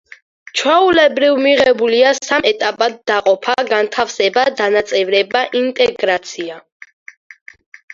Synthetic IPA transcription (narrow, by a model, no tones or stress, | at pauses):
t͡ʃʰwɛulɛbɾivmiʁɛbuliassamɛt̪ʼapʼad̪ːaqʼɔpʰaɡant̪ʰafsɛbad̪anat̪sʼɛvɾɛbaʔint̪ʼɛɡɾat̪sʰia